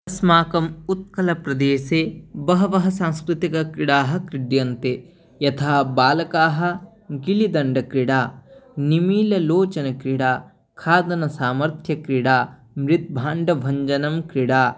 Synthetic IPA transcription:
ɐsmaːkɐmut̪̚kɐlɐpɾɐd̪eːʃeːbɐɦɐʋɐɦɐsaːŋskɾɪt̪ikɐkɾiɽaːɦɐ̆kɾiɖjɐnt̪e | jɐt̪ʰaːbaːlɐkaːɦɐ̆ | ɡilid̪ɐɳɖɐkɾiɽaːnimiːlɐloːt͡ʃɐnɐkɾiɽaː | kʰaːd̪ɐnɐsaːmɐɾt̪ʰjɐkɾiɽaː | mɾit̪̚bʱaːɳɖɐbʱɐɲd͡ʒɐnɐmkɾiɽaː

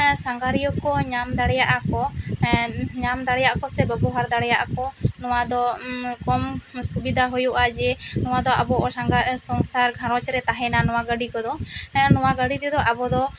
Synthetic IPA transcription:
saŋɡaɾijɔkɔɲamd̪aɽɛjaʔakɔ | ɲamd̪aɽɛjaʔakɔsɛbɛbɔɦaɾd̪aɽɛjaʔakɔnɔwad̪ɔkɔmsubid̪ʱaɦujuʔad͡ʒɛnɔwad̪ɔʔabɔʔɔaŋɡsɔŋsaɾɡʱãɾɔ̃t͡ʃɾɛt̪aɦɛnanɔwaɡəɖikɔd̪ɔnɔwaɡəɽit̪ɛd̪ɔʔabɔd̪ɔ

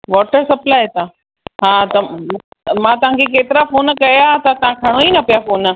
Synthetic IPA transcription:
ʋɔːʈəɾsɐplat̪a | ɦat̪ɐ | mãt̪ɐʋ̤ɦãŋkʰek̬eːt̪ɪɾafoːnkɐjat̪at̪ãkʰɐɽ̃oinɐpjafoːn

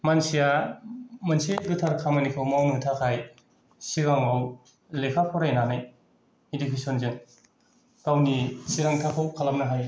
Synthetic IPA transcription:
mansija | manseɡitʰaɾkʰamanikʰawmawnɯtʰakʰaj | siɾaŋaw | lekʰapʰɔɾajnanaj | idikʰisɔnzeŋ | kawnisiɾaŋtʰakʰawkʰalam̚naɦaj

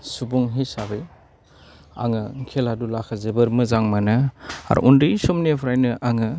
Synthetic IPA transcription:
subuŋɦisabɯj | a̰ŋɯŋkʰeladulakʰazebɯɾmɯzaŋmanɯa̰ɾ̰ʔundɯsɔmnepʰɾajnɯʔaŋɯ

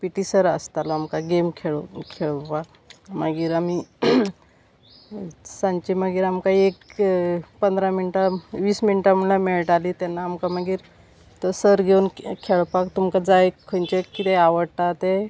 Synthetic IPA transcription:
piʈisəɾəst̪alɔamkaɡemkʰeɭkʰeɭpak | maɡiːɾami | sãɲt͡ɕiməɡiːɾamkaek | pənd̪ɾaminiʈaʋiːsminiʈam̤əɳlameɭʈalit̪janːaːmkaməɡiːɾ | t̪əsəɾɡʱeunkʰeɭpakt̪umkad͡zajkʰənt͡ɕekit̪eaʋəɽt̪at̪e

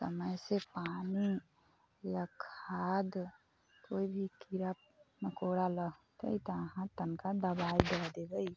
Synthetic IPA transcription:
sə̰məjsepani | jakʰaːd̪ | koːibʱikiɾəp̚ | məkoɽaləɡt̪ə̰it̪əəɦãt̪ənkad̪əbaid̪əd̪eɡəj

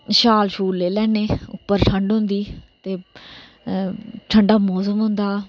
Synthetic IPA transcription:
ʃaːlʃuːlːeːlɛːneːʊpːəɾʈʰəɳɖɦʊ̃nd̪iːt̪eː | ʈʰəɳɖaːmɔːs̬əmɦʊ̃nd̪aː

